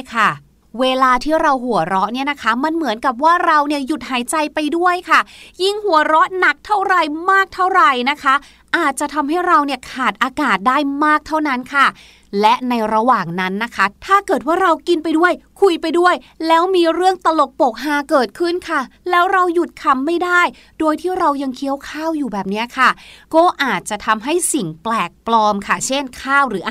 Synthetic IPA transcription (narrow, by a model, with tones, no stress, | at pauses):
kʰa˥˩ | weː˧laː˧t̪ʰiː˥˩ɾa˧wɦu˨˩˦ɐɾɔ˦˥ʔni˥˩ɐna˦˥kʰa˦˥ma˧nmɯ˨˩˦ənka˨˩p̬̚waː˥˩ɾa˧wni˥˩əju˨˩t̪̚haː˩˦jt͡ɕa˧jpa˧jdu˥˩əjkʰa˥˩ji˥˩ŋhu˩˦ɐɾɔ˦˥ʔna˨˩k̚t̪ʰa˥˩wɾa˨˩jmaː˥˩k̚t̪ʰa˥˩wɾa˨˩jna˦˥kʰa˦˥ | ʔaː˨˩t̪̚t͡ɕa˨˩t̪ʰa˧mɦa˥˩jɾa˧wni˥˩əkʰaː˨˩t̪̚ʔaː˧kaː˨˩t̪̚daː˥˩jmaː˥˩k̚t̪ʰa˥˩wna˦˥nkʰa˥˩ | lɛ˦˥ʔna˧jɾa˧waː˨˩ŋna˦˥nːa˦˥kʰa˦˥t̪ʰaː˥˩kɤː˨˩t̪̚waː˥˩ɾa˧wki˧npa˧jdu˥˩əjkʰu˧jpa˧jdu˥˩əj | lɛː˦˥wmiː˧ɾɯ˥˩əŋt̪a˧lo˨˩k̚po˨˩k̚ɦaː˧˦kɤː˨˩t̪̚kʰɯ˥˩nkʰa˥˩lɛː˦˥wɾa˧wju˨˩t̪̚kʰa˧mːa˥˩jdaː˥˩j | doː˧jt̪ʰiː˥˩ɾa˧wja˧ŋkʰi˦˥əwkʰaː˥˩wjuː˨˩bɛː˨˩p̚ni˦˥ɐkʰa˥˩kɔː˥˩ʔaː˨˩t̪̚t͡ɕa˨˩t̪ʰa˧mɦa˥˩jsi˨˩ŋplɛː˨˩k̚plɔː˧mkʰa˥˩t͡ɕʰe˥˩nkʰaː˥˩wɾɯː˩˦ʔ